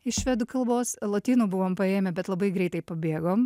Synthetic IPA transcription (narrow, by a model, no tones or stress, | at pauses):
ɪʃʲʋʲɛd̪ʊkɐlˠboːslˠoːt̪ʲiːnuːbʊʋoːmpɐeːmʲɛbʲɛt̪lˠɐbɐɪɡɾʲɛɪt̪ɐɪpɐbʲeːɡoːm